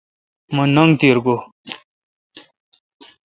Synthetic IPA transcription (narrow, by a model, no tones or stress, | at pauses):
mɐnʌŋɡt̪iɾɡo